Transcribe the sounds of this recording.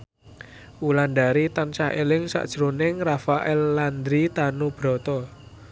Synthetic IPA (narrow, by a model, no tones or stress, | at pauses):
ulanɖaɾit̪ant͡ʃaɦʔelɪŋsa̰ʔd̥ʒ̥ɾonɪŋrafaʔɛlːand̪ɾit̪anub̥ɾɔ̤t̪ɔ